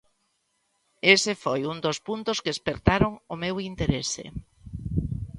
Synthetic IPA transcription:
esefojund̪ospunt̪ʊskeespeɾt̪aɾoŋʊmewint̪eɾesḛ

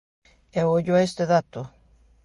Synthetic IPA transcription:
eoʎoaest̪eðat̪o

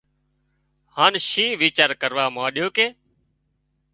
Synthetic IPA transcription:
haːnʃĩːʋiːt͡ʃaːɾkəɾʋaːmãːɗɪjoːkeː

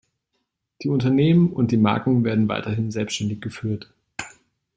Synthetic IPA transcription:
d̥iːʊntɐneːmənʊnt̚d̥iːma̰ɐkŋ̩veːɐdn̩va̰ɪtɐɦɪnzɛlpsttɛndɪçɡ̥əfyːɐt

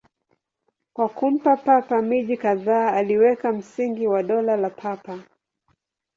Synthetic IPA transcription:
kwakum̩papapamiʄikaðaːaliwɛkam̩siŋɡiwaɗɔlalapʰapa

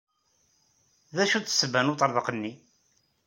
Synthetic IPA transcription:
ðæʃut͡sːə̥sːəbːænut̪ˤəɾˤðəqənːi

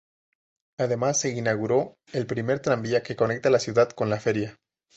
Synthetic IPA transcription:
að̞emasːeinaɣ̞uɾo | elpɾimeɾt̪ɾambiakekonek̚t̪alasjuðat̪konlafeɾja

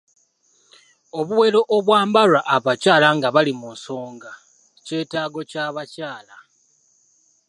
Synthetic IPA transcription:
o̞βuwe̞lo̞ʔoβwaːmbaɾaʔaβacaːlaŋɡaβalimunso̞ːŋɡa | ce̞ːtaːɡo̞caːβacaːla

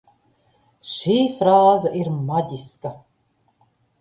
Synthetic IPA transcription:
ʃiːfɾaːzaʔiɾmad̪ʲiska

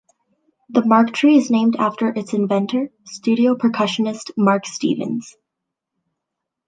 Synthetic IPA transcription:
ðəmɑɹktʰɹ̥iɨznẽɪ̃mdæftə˞ʔɨtsɨ̃nvɛ̃ntʰə˞stʉɾioʊpʰɹ̥ɨkʰʌʃɨnɨstmɑɹkstḭvɨ̰̃nz̥

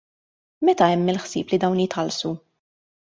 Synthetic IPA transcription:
mɛt̪ɐɛmːɪlħsiːplid̪ɐwnjɪt̪ħɐlsu

